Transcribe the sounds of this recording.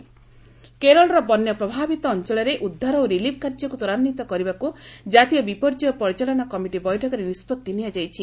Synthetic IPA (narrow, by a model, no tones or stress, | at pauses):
keɾɔlɔɾɔbɔnːjɔpɾɔbʱabit̪ɔːnt͡ʃɔlɔɾeʔud̪ʱːaɾɔoɾilibʰʱkaɾd͡ʒɔkut̪ɔɾanːit̪ɔkɔɾibakud͡ʒat̪ijɔbipɔɾd͡ʒiɔpɔɾit͡ʃalɔnakɔmiʈibɔjʈʰɔkɔɾenispɔt̪ːinijad͡ʒajt͡ʃʰi